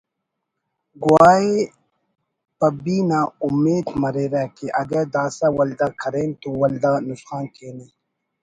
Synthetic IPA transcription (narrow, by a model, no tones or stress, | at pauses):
ɡuwaːe | pɐbiːnaːumːeːd̪mɐɾeːɾakeʔɐɡɐɾd̪aːsawɐld̪akʰɐɾeːnt̪owɐld̪anʊsxaːnkeːniː